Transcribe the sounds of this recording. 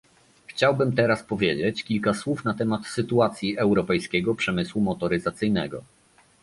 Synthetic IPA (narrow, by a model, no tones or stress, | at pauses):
xt͡ɕawbɘmt̪ɛɾaspɔvʲjed͡ʑet͡ɕkʲilkaswufnat̪ɛmat̪sɘt̪uat̪sʲjiʔɛwɾɔpɛjskʲeɡɔpʂɛmɘswumɔt̪ɔɾɘzat̪sɘjnɛ̰ɡɔ̰